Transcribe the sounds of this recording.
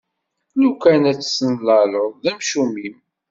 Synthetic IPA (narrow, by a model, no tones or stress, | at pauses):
lukænæt͡sːsənlɑloˤðæmʃumim